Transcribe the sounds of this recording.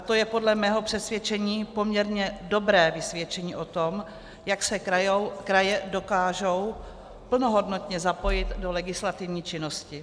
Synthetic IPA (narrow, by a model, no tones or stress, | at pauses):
at̪ojɛpo̞dlɛmɛːɦo̞pr̥ɛsvʲjɛt͡ʃɛɲiːpo̞mɲɛɾɲɛdo̞bɾɛːvɪsvjɛt͡ʃɛɲiːʔo̞t̪o̞m | jaksɛkɾajɛdo̞kaːʒo̞w | pl̩no̞ɦo̞dno̞t̪ɲɛzapo̞jɪt̪do̞lɛɡɪslat̪ɪvɲiːt͡ʃɪno̞scɪ